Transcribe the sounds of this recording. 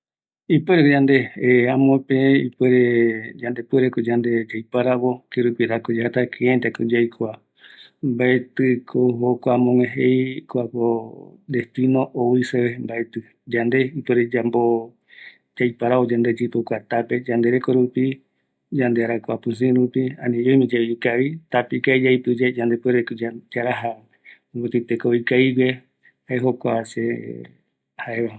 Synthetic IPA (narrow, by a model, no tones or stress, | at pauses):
ipeɾekod͡ʒand̪eãmõpẽipeɾed͡ʒand̪epeɾekod͡ʒand̪ed͡ʒajpaɾaβo̞keɾupiɾakod͡ʒahat̪akʰeẽt̪ekod͡ʒajkʰoa | mbaet̪ɨkʰoɦokʷamõŋʷẽɦejkoakod̪est̪ĩnõʔoiseβembaet̪ɨ | d͡ʒand̪e̞ipweɾed͡ʒambo | d͡ʒajpaɾaod͡ʒand̪e̞d͡ʒipokʷat̪ape̞d͡ʒand̪e̞ɾekoɾupi | d͡ʒand̪eaɾakʷapɨ̃s̬ĩɾupiã̰nĩomĩd͡ʒaiukaβit̪apikaid͡ʒajpɨd͡ʒad͡ʒand̪epeɾekod͡ʒad͡ʒaɾaɦa | omot̪it̪ekoikaiwe | haeɦokʷase | haeβa